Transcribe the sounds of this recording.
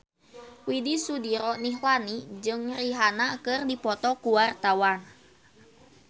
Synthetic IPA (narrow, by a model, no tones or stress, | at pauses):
widisudiɾɔniɦlanid͡ʒɨŋriɦanakɨrdipɔt̪ɔkuwart̪awan